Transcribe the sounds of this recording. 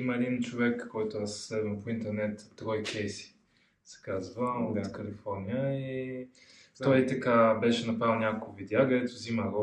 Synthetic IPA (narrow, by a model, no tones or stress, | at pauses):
imɐɛd̪int͡ʃovɛkːɔjt̪ʊassɛd̪mɐpoint̪ɛɾnɛt̪t̪ɾɔjikʲʰɛjsi̥ | sɛ̥kazvəoɛkəlifɔɾnʲijəi | t̪ɔjit̪ɐkabɛʃɛnɐpɾavilˠnʲakokvid̪ɛakəd̪ɛt̪ʊzimaɡo